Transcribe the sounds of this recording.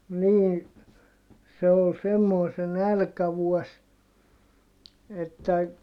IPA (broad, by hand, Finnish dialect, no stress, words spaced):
niː se ol semːoi se nælkæʋuɔs etːæ